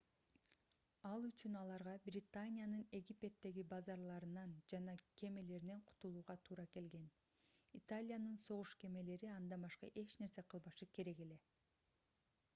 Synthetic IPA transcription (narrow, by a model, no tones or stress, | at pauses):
ɑlˠyt͡ʃynɑlˠɑɾʁɑbrʲɪt̪anʲɪjanɯne̞ɡʲipʲe̞t̪ːe̞ɡibɑzɑɾlˠɑɾɯnɑnd͡ʒɑnɑke̞me̞le̞ɾine̞ɴqʰu̥t̪ulˠuːʁɑt̪ʰuːɾɑke̞lɡe̞n | it̪alʲijanɯnso̞ʁuʃke̞me̞le̞ɾiɑnd̪ɑbɑʃqɑ̰ʔe̞t͡ʃne̞ɾse̞qʰɯlˠβɑʃɯke̞ɾe̞ɡe̞le̞